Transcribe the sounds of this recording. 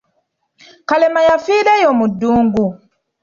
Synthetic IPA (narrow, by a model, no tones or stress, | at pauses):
kalɛmajafilajɔmuduːŋɡu